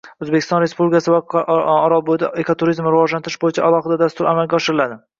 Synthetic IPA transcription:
ɵzbekʲʰɪ̥st̪ɒnɾe̞spublʲɪkʲasɪvaɒɾɒbod̪ɪekʰot̪ʰuɾizmɾɪvɒʒlant̪ɪɾɪʃbojɪt͡ʃʰaalˠɒχɨd̪ad̪ast̪ʊɾamalɡʲaɒʃɪɾɪlad̪ɪ

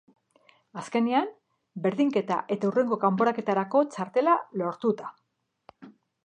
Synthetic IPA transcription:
aske̞niam | be̞ɾðiŋke̞t̪a̰ʔe̞t̪aure̞ŋɡo̞kampo̞ɾake̞t̪aɾako̞t͡ʃaɾt̪e̞lalo̞ɾt̪ut̪ḁ

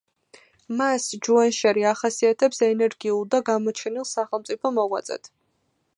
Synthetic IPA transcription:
masd͡ʒuanʃaɾiaχasiat̪ʰɛpsɛnɛɾɡiulˠd̪aɡamɔt͡ʃʰɛnilˠsaχɛlˠmt̪sʼipʰɔmɔʁwa̰t̪sʼɛ̰t̪ʰ

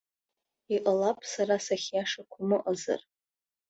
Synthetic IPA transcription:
iʔʼalapʼsaɾasaχʲjaʂakʷʰʊmɨʔʼaza̰r

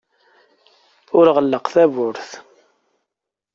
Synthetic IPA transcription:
ʊɾʁəlːəqθævʊɾθ

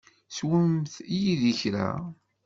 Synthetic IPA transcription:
swəmθjiðiçɾæ̰

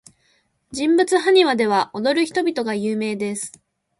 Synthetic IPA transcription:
d͡ʑĩmbɯ̟t͡sɨɦaɲ̟iβad̪e̞β̞aʔo̞d̪o̞ɾɯ̟çi̥t̪o̞bʲit̪o̞ɡajɯːme̞ːd̪e̞sɨ̥

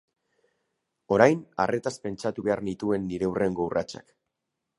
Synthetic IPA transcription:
o̞ɾajna̰rʔe̞t̪aspe̞nt͡ʃat̪uβe̞aɾnit̪ue̞nːiɾeurʔe̞ŋɡo̞urʔa̰t͡ʃa̰k

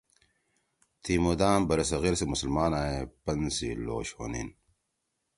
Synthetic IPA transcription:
t̪ʰiːmud̪aːmbɐɾɐsɐɣiɾsemusɐlmaːnaːepɐnsilo̰ːɕho̰ːnḭn

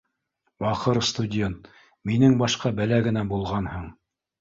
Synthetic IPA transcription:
wɑqɤɾst̪udʲe̞nt̪ | minɘŋbɑʃqɑbælæɡɘ̆næbulˠʁɑnhɤɴ

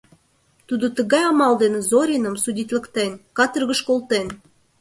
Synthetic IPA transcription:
t̪ud̪ot̪əɣɑjɑmɑld̪enezoɾʲinə̆msudʲit̪lə̆kt̪enkɑt̪ərɣəʃkolˠt̪en

